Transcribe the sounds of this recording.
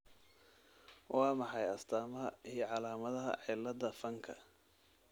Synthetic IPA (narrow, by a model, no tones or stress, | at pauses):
wʔɑːmɑħɑjɐst̪ʰaːmɐɦɐijɞʕɑlaːmɐðɐɦɐ̰ʕɪlɐd̪ɐfɐŋkʰɐ